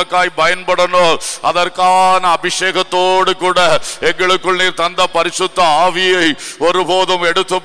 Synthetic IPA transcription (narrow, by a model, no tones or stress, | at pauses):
ɐkːaːjpɐjɐnpɐɽɐnoːɐðɐrkaːnɐːbɪʂeːɣɐt̪ːoːɽɯkuːɽɐɛŋɡɐɭɯkːɯɭniːɾt̪ɐnd̪ɐpɐɾɪsɯt̪ːɐaːʋɪjɐɪɔɾɯboːðɐmɛɽɯt̪ːɯm